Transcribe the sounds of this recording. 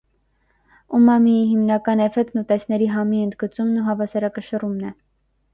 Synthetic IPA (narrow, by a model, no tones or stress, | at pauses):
umɑmijiɦimnɑkɑnɛfɛkt̪nut̪ɛsnɛɾiɦɑmiənd̪ɡət͡sumnuɦɑvɑsɑɾɑkəʃərumnɛ